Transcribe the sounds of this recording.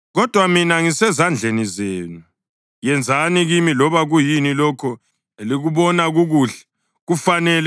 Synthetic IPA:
ɣɔd̥ʱwaminaŋisɛzand͡ɮʱenizeːnu | jɛnd͡zʱaniɣimilɔβaɣujinilɔkʰɔ | eliɣuβɔnaɣuɣuːɬɛ̥ | ɣufanɛlɛ

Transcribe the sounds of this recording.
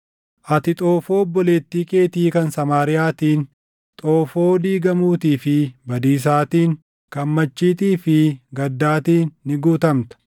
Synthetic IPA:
ʔɐt̪ɪt̪ʼoːfo̞ːbːɔleːt̪ːiːkʼe̞ːt̪iːkɐnsɐmaːɾɪjaːt̪iːn | t̪ʼoːfo̞ːd̪iːɡɐmuːt̪iːfɪbɐd̪iːs̬aːt̪iːŋ | kɐmːɐt͡ʃːiːt̪iːfɪɡɐd̪ːaːt̪iːnːɪɡuːt̪ɐmt̪ɐ̥

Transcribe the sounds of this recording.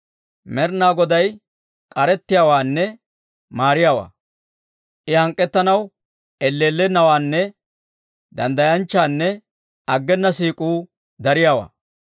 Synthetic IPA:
mɛɾnaːɡɔd̪ɐj | kʼɐɾɛt̪ːɪjaːwaːnːɛ | maːɾɪjaːwa̰ː | ʔɪhɐŋkʼːɛt̪ːɐnɐw | ʔɛlːeːlːɛnɐwaːnːɛ | d̪ɐnd̪ɐjɐnt͡ʃːaːnːɛ | ɐɡːɛnːɐsiːkʼuː | d̪ɐɾɪjaːwa̰ː

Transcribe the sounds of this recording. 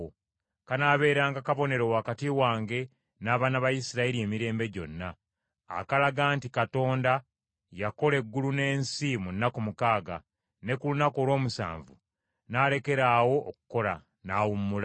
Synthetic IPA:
o | kanaːβe̞ːɾaːŋɡakaβo̞ne̞ɾo̞wakatiwaːŋɡe̞ | naːβaːnaβajisiɾaeɾie̞ːmiɾe̞ːmbe̞ɟo̞̰nːa̰ː | kalaɡaːntikato̞ːnda | jako̞le̞ɡːulune̞ːnsimunːakumukaːɡa̰ | ne̞kulunako̞ːlwo̞ːmusa̰ːɱvṵ | naːle̞ke̞ɾaːwo̞ʔːkuko̞la̰ | naːwumːula

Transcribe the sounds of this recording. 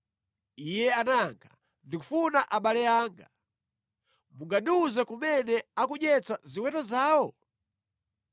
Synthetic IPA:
ijɛanaŋɡʰa̰ | ndikufunaʔaɓalɛjaːŋɡa | muŋɡaɗiuzɛkumɛnɛakuɲɛt͡saziwɛtɔzaːwɔ

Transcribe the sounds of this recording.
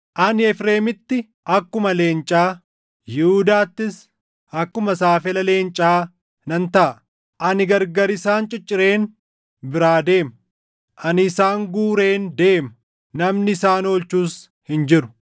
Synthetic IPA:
ʔɐnɪɛfɾe̞ːmɪt̪ːɪ | ɐkːʊmɐle̞ːnt͡ʃʼaː | jɪhuːd̪aːt̪ːɪs | ɐkːʊmɐsaːfɪlɐle̞ːnt͡ʃʼaː | nɐnt̪ɐʔɐ | ʔɐnɪɡɐɾɡɐɾɪsaːnt͡ʃʼɪt͡ʃʼːɪɾe̞ːn | bɪɾaːd̪e̞ːmɐ | ʔɐnɪːsaːŋɡuːɾe̞ːnd̪e̞ːmɐ | nɐmnɪɪsaːno̞ːlt͡ʃuːs | hɪnd͡ʒɪɾʊ̥

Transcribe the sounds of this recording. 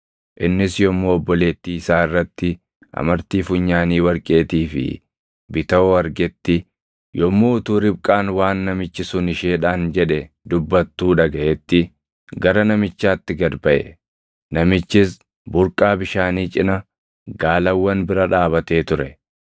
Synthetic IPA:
ʔɪnːɪsjɔmːoːɔbːɔle̞ːt̪ːiːɪsaːɪrːɐt̪ːɪ | ʔɐ̰mɐɾt̪iːfʊɲːaːniːwɐɾkʼe̞ːt̪iːfɪ̰ | bɪt̪ɐɔɐɾɡɛt̪ːɪ | jɔmːoːʊt̪uːɾɪb̚kʼaːnwaːnːɐmɪt͡ʃːɪsʊnɪʃeːᶑaːnd͡ʒɛᶑɛ | d̪ʊbːɐt̪ːuːᶑɐɡɐʔɛt̪ːɪ | ɡɐɾɐnɐmɪt͡ʃːaːt̪ːɪɡɐd̪bɐʔɛ̰ | nɐmɪt͡ʃːɪs | bʊɾkʼaːbɪʃaːniːt͡ʃʼɪnɐ | ɡaːlɐwːɐnbɪɾɐᶑaːβɐt̪e̞ːt̪ʊɾɛ

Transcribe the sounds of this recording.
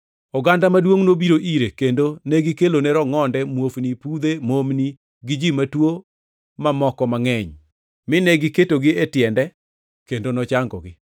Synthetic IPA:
ɔɡandamadwoŋnobiɾoʔiɾekendonɛɡɪkelonɛɾɔŋɔndɛmwofnipud̪emomni | ɡɪd͡ʒimatwo | mamɔkɔmaŋɛɲ | mɪnɛɡɪketoɡɪetjɛndɛ | kendonɔt͡ʃaŋɡɔ̰ɡɪ

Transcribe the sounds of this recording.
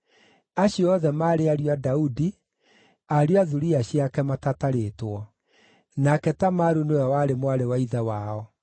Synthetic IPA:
aɕjɔðɛmaːɾeaɾiadaudi | aɾiaðuɾiaɕiakɛmatataɾetwɔ | nakɛtamaɾunewɛwaɾemwaɾewaiðawaːɔ

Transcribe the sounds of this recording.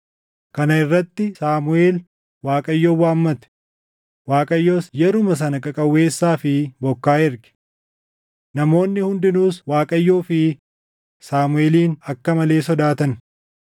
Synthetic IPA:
kɐnɐɪrːɐt̪ːɪsaːmʊeːl | waːkʼɐjːoːwaːmːɐt̪ɛ̥ | waːkʼɐjːo̞ːsjɛɾʊmɐs̬ɐnɐkʼɐkʼɐwːe̞ːsːaːfɪbɔkːaːɪɾɡɪ̥ | nɐmo̞ːnːɪhʊnd̪ɪnuːswaːkʼɐjːo̞ːfɪ | saːmʊeːliːnɐkːɐmɐle̞ːsɔd̪aːt̪ɐn

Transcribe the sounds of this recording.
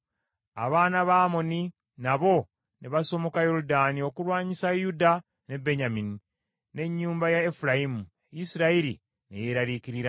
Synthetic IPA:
a̰βaːnaβaːmo̞ni | naβo̞ | neβaso̞mo̞kajo̞ɾudaːnio̞kulwaːɲisajuda | ne̞be̞ɲamini | ne̞ɲːuːmbajaefuɾaimu | isiɾaiɾḭ | nḛje̞ɾaɾikiɾiɾa

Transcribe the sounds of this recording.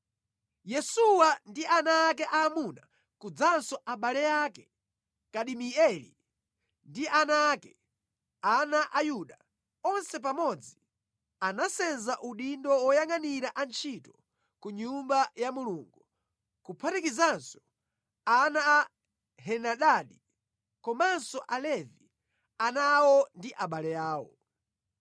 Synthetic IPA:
jɛsuwandianaːkɛʔamuna | kud͡zansɔʔaɓalɛjaːkɛ | kaɗimiɛlḭ | ndiʔanakɛ | anaʔajuɗa | ɔnsɛp̬amɔd͡zi | anasɛnzaʔuɗindɔwɔjaŋaniɾaʔant͡ʃʰitɔ̥ | kuɲumbajamuluːŋɡu | kupʰatikizansɔ̥ | anaː | ɦɛnaɗaɗi | kɔmansɔʔalɛvi | anawɔndiʔaɓalɛjaːwɔ̰

